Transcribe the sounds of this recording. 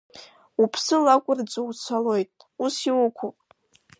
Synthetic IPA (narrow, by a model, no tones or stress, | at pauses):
upʰsɨlakʷʼʊrd͡zʷʼuwt͡sʷʰalo̞jtʼusiwʊkʷʰupʼ